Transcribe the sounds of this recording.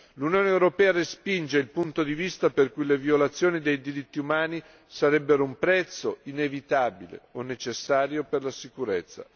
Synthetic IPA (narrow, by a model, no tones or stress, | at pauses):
lunjoːneːwɾopɛːaɾespind͡ʒeilpunt̪od̪ivist̪aperkujleviolat̪sːjoːnid̪ejd̪iɾit̪ːiumaːni | saɾɛbːeɾoumpɾɛt̪sːoinevit̪aːbilḛonːet͡ʃesːaːɾjoperlasikuɾet̪sːa̰